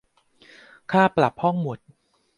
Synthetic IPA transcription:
kʰaː˥˩pla˨˩p̚hɔ˥˩ŋmo˨˩t̪̚

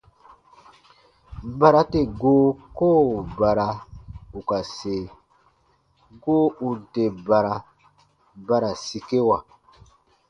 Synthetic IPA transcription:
ba˨ɾa˦te˦˨ɡoː˦koː˦˨ba˨ɾa˨u˨ka˨se˨ | ɡoː˦u˨te˨ba˨ɾa˨ | ba˦ɾa˨si˨ke˦wa˨

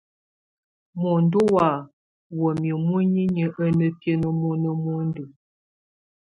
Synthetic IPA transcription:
mɔ˨n˦do˦wa˨ | wə˨mi˨mu˦ɲi˦ɲə˨ʔə˦nə˦pje˦nə˦mo˦nə˦mo˦n˦də˨

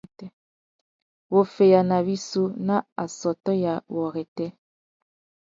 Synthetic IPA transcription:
tɛ˦ | wo˨fe˨ja˨na˨βi˦so˦na˦a˨sɔ˨tɔ˦ja˨wɔ˨ɣɛ˨tɛ˦

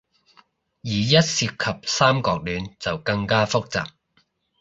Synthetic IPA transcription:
jiː˨˩jɐ˥t̚siː˧p̚kʰɐ˨p̚saː˥mkɔː˧k̚lyː˨˧nt͡sɐ˨wkɐ˧ŋkaː˥fʊ˥k̚t͡sa̰ː˨k̚

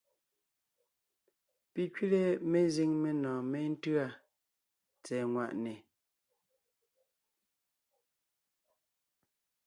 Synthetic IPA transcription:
pi˨kɥi˦le˦me˨zi˦ŋme˨nɔ̃ː˨me˦n̩˦tɰa˦˨ | t͡sɛː˨ŋwa˨ʔne˨

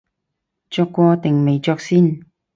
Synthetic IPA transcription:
t͡ʃɔː˧kːɔː˧t̪ɪ˨˩ŋme˨˩jt͡ʃɔː˧k̚siː˥˩n

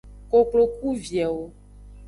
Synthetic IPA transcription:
ko˨k͡plo˨ku˦vjɛ˨wo˦

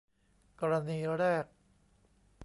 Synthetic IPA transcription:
kɔː˧ɾa˧niː˧ɾɛː˥˩k̚

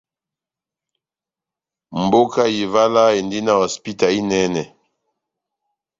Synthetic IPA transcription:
m˨bo˦ka˦ji˨va˦la˦e˨ndi˦na˦wɔ˨spi˦ta˨i˦nɛ˦nɛ˨

